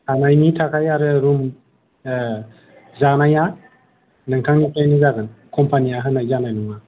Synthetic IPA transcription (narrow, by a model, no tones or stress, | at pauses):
anajnitʰakʰajaɾɯɾum | zanaja | nɯŋkʰaŋnikajnɯzaɡɯnkʰɔmpʰaniaɦɯnajzanajnuŋa